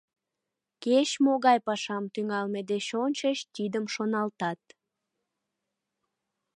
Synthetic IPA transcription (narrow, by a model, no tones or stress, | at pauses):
ket͡ɕmoɣɑjpɑʃɑmt̪yŋɑlmed̪eɕonʲt͡ɕəɕt̪id̪əmʃonɑlt̪ɑt̪̚